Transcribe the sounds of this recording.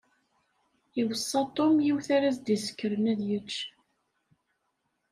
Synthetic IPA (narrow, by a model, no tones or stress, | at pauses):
iwəsˤːɑt̪ˤomjiwθæɾæzd̪isə̥kːəɾənæðjət͡ʃː